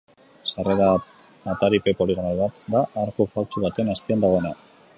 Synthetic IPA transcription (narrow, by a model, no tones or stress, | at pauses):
sareɾaː | t̪aɾipe̞po̞liɣ̞onalβat̪d̪aʔaɾkofalt͡ʃuβat̪e̞naspiand̪aɣ̞o̞e̞na